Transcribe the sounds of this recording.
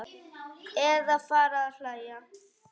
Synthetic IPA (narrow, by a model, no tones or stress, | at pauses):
eðafaɾaɬaja